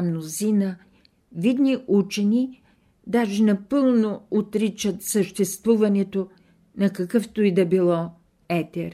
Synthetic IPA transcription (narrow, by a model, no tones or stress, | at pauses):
mnozinə | vid̪niʔut͡ʃɛni | d̪aʒɛnɐpɤlˠnoot̪ɾit͡ʃət̪səʃt̪ɛst̪vuvɐnɛt̪o | nɐkɐkɤft̪oid̪ɐbilˠɔ | ɛt̪ɛɾ